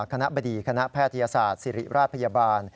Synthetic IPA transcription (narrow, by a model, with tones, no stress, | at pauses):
kʰa˧na˦˥ba˧diː˨˩kʰa˧na˦˥ʔpʰɛː˥˩t̪ʰːa˧jaː˧saː˨˩t̪̚si˨˩ɾi˨˩ɾʔaː˥˩t̪̚pʰa˧jaː˧baː˧n